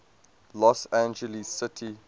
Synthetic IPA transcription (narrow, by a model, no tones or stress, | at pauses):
lɔsæ̃nd͡ʒəlissɪtʰi